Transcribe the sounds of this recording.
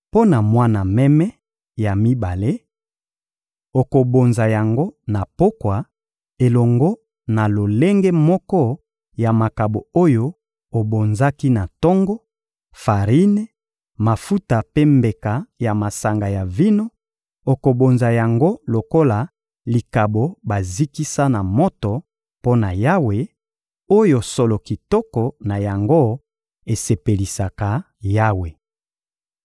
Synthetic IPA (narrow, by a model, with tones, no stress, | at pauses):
po˦na˨mwa˦na˨mɛ˦mɛ˦ | ja˨mi˦ba˨le˦ | o˨ko˨bo˨nza˨ja˨ŋɡo˦na˨po˦kwa˨ | e˨lɔ˨ŋɡɔ˦ | na˨lo˨le˦ŋɡe˦mɔ˦kɔ˦ | ja˨ma˨ka˨bo˨o˦jo˦ | o˨bo˨nza˦ki˦na˨tɔ˦ŋɡɔ˦ | fa˨ʁi˦ne˦ | ma˨fu˦ta˨pe˦mbe˨ka˨ja˨ma˨sa˨ŋɡa˨ja˨vi˦no˦ | o˨ko˨bo˨nza˨ja˨ŋɡo˦lo˨ko˦la˨ | li˨ka˨bo˨ba˨zi˦ki˦sa˦na˨mo˦tɔ˨ | po˦na˨ja˦we˨ | o˦jo˨so˨lo˨ki˨tɔ˦kɔ˨na˨ja˨ŋɡo˦ | e˨se˨pe˨li˨sa˨ka˨ | ja˦we˨